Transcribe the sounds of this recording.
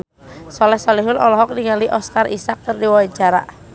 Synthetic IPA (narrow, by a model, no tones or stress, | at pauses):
sɔlɛhsɔlɛɦʊnɔ̰lɔɦɔk̚niŋaliʔɔskarisak̚t̪ərdiwawat͡ʃaɾa̰ʔ